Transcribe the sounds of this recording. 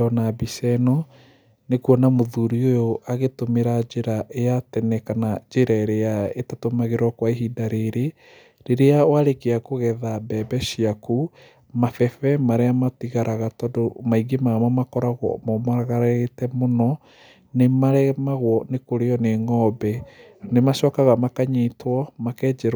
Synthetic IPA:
ɔnabisɛnɔ | nekuɔnamoðuɾiojoʔaɣetomeɾad͡ʒeɾaʔeatɛnɛkanad͡ʒeɾaeɾeaetatomaɣeɾwɔkwaeɦidaɾeɾe | ɾeɾeawaɾekeakoɣɛðabɛbɛʃiaku | mafɛfɛmaɾeamatiɣaɾaɣatɔdomaiɡemamamakɔɾaɣɔ̰mɔmaɣaɾetɛmonɔ | nemaɾɛmaɣwɔnekoɾeɔneŋɔːbɛnemaʃɔːkaɣamakaɲiːtwɔmakɛːd͡ʒɛɾ

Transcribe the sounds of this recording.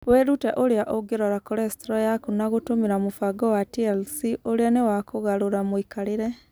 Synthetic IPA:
wɛɾutɛʔoɾejaʔoɡeɾɔɾakoɾɛstɾɔjakunaɣotomeɾamofaɡɔwatiɛlsiʔoɾeanewakoɣaɾoɾamwikaɾeɾɛ

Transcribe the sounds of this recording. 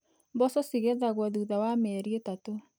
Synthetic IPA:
mbɔsɔsiɣeðaɣwɔðuðawamɛɾietato

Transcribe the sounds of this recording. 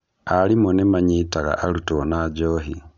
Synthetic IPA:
alimonemaɲitaɣa̰ʔalutonaɟoːɦi

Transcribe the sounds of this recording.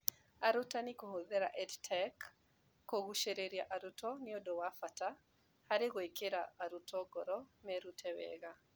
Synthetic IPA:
aɾutanikuhoðɛɾa̰ʔɛdtʰɛkː | oɣuʃeɾeɾiaʔaɾutɔniɔdɔwafata | haɾeɣɔikeɾa̰ːɾutɔɡɔɾɔmɛɾutʰɛwɛ̰ɣa

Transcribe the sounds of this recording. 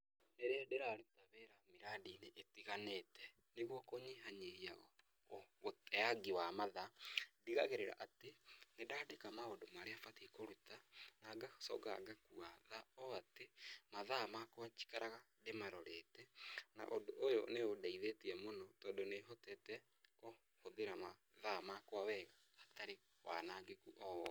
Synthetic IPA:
neɾeɛdeɾaɾetaβeɾameɾadineʔetiɣanetɛ | neɣwɔkoɲiɦaɲeɾiaɣɔ | otɛaɡiwamaðadiɣaɣeɾeɾa̰ʔatenedaːdekamaodomaɾeafatikoɾutanaːɡasɔ̰ɡa̰ɡakuaðaɔatemaðamakwat͡ʃi̥kaɾaɣa | demaɾɔɾetɛna̰ʔodoʔːjoneodaiðetiɛmonɔtɔːdoneɦotɛtɛ | ko | hoðeɾama | ðamakwawɛɣaːtaɾe | wa̰naːɡekuʔɔ

